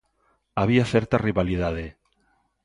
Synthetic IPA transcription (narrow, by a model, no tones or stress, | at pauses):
aβ̞iaθeɾt̪ariβaliðað̞e